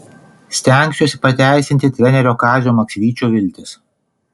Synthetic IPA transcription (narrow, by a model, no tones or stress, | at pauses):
sʲt̪ʲɛˑŋʲksʲoːsʲɪpɐt̪ʲæˑɪsʲɪnʲt̪ʲɪt̪ʲɾʲɛnʲɛɾʲoːkɑːzʲoːmɐksʲʋʲiːt͡ʃʲuːʋʲɪlʲt̪ʲɪs